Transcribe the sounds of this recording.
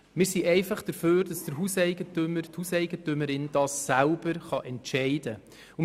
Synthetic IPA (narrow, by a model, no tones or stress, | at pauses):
mɪːɾsiʔɛɪfɑχd̥əɾføːɾd̥ɑsd̥əɾɦusɛɪɡətʏməɾthusɛɪɡətʏməɾɪnd̥ɑːsːælb̥əɾχɑʔɛntʃɛɪd̥ə | ʊ